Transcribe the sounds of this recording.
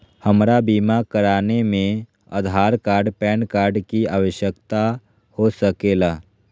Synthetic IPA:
həmɾabiːmakəɾaːnemẽ | ə̰d̪ʱaːɾkaːɾɖpɛːnkaːɾɖkiaːʋəʃjəkt̪a | hosəkeːlaː

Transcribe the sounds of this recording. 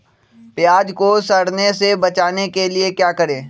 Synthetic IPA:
pɪjaːd͡ʒkosɐɽnesebɐt͡ʃaːnekeliekjaːkɐɾẽː

